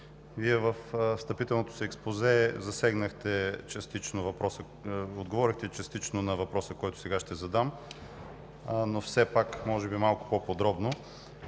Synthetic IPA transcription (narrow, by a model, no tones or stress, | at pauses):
viɛvəfst̪ɐpit̪ɛlˠnot̪o̥ʊ̥siːkspozɛzɐsɛɡnəxt̪ɛt͡ʃɛst̪it͡ʃnovɐpɾɔsə | od̪ɡovɔɾixt̪ɛt͡ʃɐst̪it͡ʃnonɐvɐpɾɔsəkɔjt̪ʊ̥sɛɡaʃt̪ɛzɐd̪am | nofsɛpakmɔʒɛbimalˠkʊ̥popod̪ɾɔbno